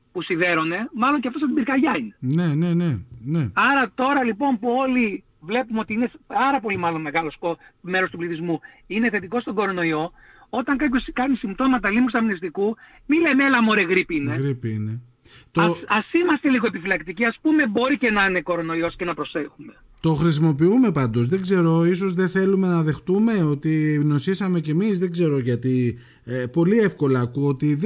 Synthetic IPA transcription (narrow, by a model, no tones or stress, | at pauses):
pusiðe̞ɾo̞ne̞mɐlo̞ɲceɐft̪os̬ɐd̪ibiɾkɐʝɐine̞neneneneɐɾɐt̪o̞ɾɐlipo̞mpuo̞li | vle̞pumeo̞t̪iine̞sɐɾɐpo̞limɐlo̞nme̞ɣɐlo̞spome̞ɾost̪upliθizmu | ine̞θe̞t̪̬iko̞st̪o̞ɡo̞ɾo̞no̞io̞ | o̞t̪ɐŋkɐpço̞skɐnisimt̪o̞mɐt̪ɐlimust̪ɐminist̪iku | milemelɐmoɾeɣɾipiineɣɾipiine | t̪oɐsimɐst̪eliɣoepifilɐkt̪iciɐspume̞bo̞ɾice̞nɐne̞ko̞ɾo̞no̞io̞sce̞nɐpɾo̞se̞xume̞ | t̪o̞xɾis̬imo̞p̬iume̞pɐnd̪o̞zðe̞ɡze̞ɾo̞is̬o̞zðe̞θe̞lume̞nɐðe̞xt̪ume̞o̞t̪ino̞sisɐme̞ce̞mizðe̞ɡze̞ɾo̞ʝɐt̪i | po̞lie̞fko̞lɐːkuot̪i